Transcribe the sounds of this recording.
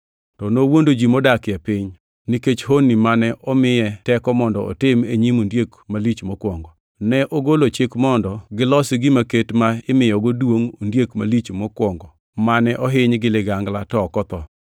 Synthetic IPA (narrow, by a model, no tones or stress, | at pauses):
tɔnowondod͡ʒimodakɪɛpɪɲ | niket͡ʃhonimanɛʔɔmɪjɛtɛkɔmɔndɔɔ̰tɪmeɲimondjekmalit͡ʃmɔkwɔŋɡɔ | nɛʔoɡolot͡ʃekmɔndɔɡɪlɔsɪɡɪmaketmaɪmɪjɔɡodwoŋondjekmalit͡ʃmɔkwɔŋɡɔ | manɛʔɔɦɪɲɡɪlɪɡaŋɡlatɔkɔt̪ɔ